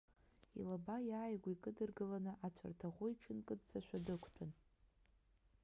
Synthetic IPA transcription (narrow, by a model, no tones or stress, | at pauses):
ḭlabajaːjɡʷikʼɨdɨrɡɨlanɨʔat͡ʃʷʰa̰rtʰaʁʷʊiʈ͡ʂʰɨnkʼɨdt͡saʃʷᶣadɨkʷʰtʷʼan